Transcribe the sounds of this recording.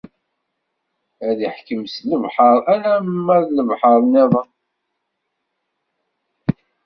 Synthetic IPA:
æðiħkəmsləvħɑɾˤælæmːæðləvħɑɾˤneðˤɑ

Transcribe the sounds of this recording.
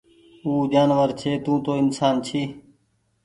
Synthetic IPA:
uːd͡ʒaːnʋəɾt͡ʃʰeːt̪ũːt̪oːɪnsaːnt͡ʃʰiː

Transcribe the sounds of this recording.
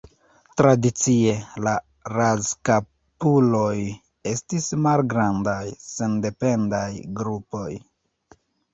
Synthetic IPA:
tɾadit͡sie̞la | ɾazka | pulo̞j | e̞stismalɡɾandajse̞nde̞pe̞ndajɡɾupo̞j

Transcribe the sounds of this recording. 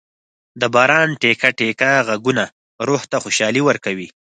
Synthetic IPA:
d̪əbɑɾɑnʈekaʈekaɣaɡuna | ɾoht̪axʊʃɑliwəɾkawi

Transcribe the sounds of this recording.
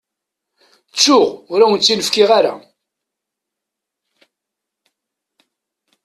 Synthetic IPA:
t͡sːʊʁʊɾawənt͡sːinəfkɪʁaɾa̰

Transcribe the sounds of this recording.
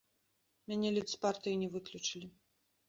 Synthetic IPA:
mʲanʲɛlʲusʲpart̪ɨjinʲɛvɨklʲut͡ʂɨlʲi

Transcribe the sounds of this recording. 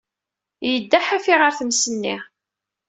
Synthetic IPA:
jəd̪ːaħæfiʁəɾθəmsənːi

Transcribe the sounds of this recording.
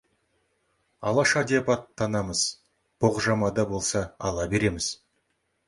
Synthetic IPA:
ɑlˠɑʃɑd̪eɑpɑt̪ʰːɑnɑməz̥ | b̥oʁʒɑmɑd̪ɑbo̞lˠsɑ̰ːlˠɑbe̞ɾe̞mɪz̥

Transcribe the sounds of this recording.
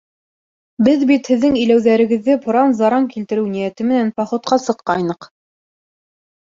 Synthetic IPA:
bɘðbit̪hɘ̆ðːɘŋɘ̆jlæwðæɾɘ̆ɡɘ̆ðːɘpʰŏɾɑnzɑɾɑŋkilt̪ɘ̆ɾɘwnijæt̪ɘmɘ̆nænpɑχŏt̪̚qɑsɤ̆qːɑjnɤq

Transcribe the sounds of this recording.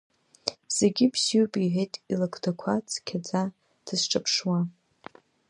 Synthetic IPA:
z̥e̞ɡʲibsiupʼiʕejtʼilakʰʼdʰakʷʰat͡sʰʼkʲʰad͡za | d̥ɨzʈ͡ʂʼapʰʂwa

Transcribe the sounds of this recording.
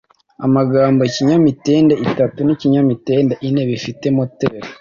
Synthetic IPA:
a̰maɡaːmboeciɲamite̞ːndeitatuniciɲamiteːndeʔineβifite̞moteɾe

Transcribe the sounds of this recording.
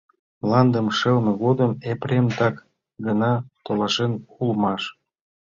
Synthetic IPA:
lɑnd̪ə̆mʃəlmɤ̆ɣod̪əmepɾemt̪ɑk | ɡənɑt̪olɑʃenulmɑʃ

